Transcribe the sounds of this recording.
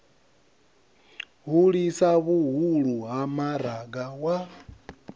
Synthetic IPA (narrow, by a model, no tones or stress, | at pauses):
ɦuɺisaβuɦuɺuɦamaɾaɡawa